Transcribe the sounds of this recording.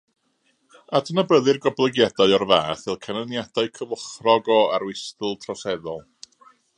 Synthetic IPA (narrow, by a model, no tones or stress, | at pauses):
adənəbəðɨrɡɔblˠəɡjadaɨɔrvaːθɪlˠkʰanənjadaɨkʰəvəχrɔɡɔa̰ɾwɪstɨlˠtʰrɔsɛðɔlˠ